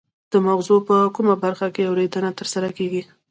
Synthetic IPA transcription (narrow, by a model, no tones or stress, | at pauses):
d̪̥əmaxzopəkumabaɾxakeawɾed̪ənat̪əɾsaɾakeɡi